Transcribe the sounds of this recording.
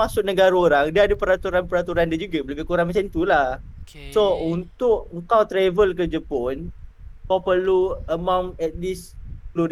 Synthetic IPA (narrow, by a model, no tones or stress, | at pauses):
asʊʔ̚nəɡaɾaoɾaŋdiaadəpəɾat̪uɾanpəɾat̪uɾandiəd͡ʒuɡabləɡəkuɾaŋmat͡ʃamit̪ulah | sount̪ʊʔəŋkawt̪ɾɛvəlkəd͡ʒəpʊnkawpərluəmãmɛt̪̚lislu